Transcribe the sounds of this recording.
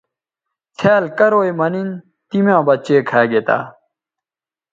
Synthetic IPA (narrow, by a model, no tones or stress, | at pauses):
t͡sʰeːlkɐɾoːimɐnin | t̪imjãːbɐt͡ɕeːkʰaːɡet̪a̰ː